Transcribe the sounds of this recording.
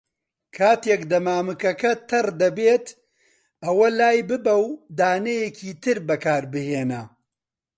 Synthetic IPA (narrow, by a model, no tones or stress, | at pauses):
kʰaːt̪jekd̪ɐmaːmɨkɐkɐt̪ʰɐrd̪ɐbeːt̪ | ɐwɐlaːjbɨbɐwd̪aːnɐjecʰiːt̪ɨɾbɐkaːɾbɨheːnɐ